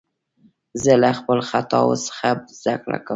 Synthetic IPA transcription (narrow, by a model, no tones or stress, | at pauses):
zəlaxpəlxat̪ɑwsə̥xabzd̪akɽa̰ka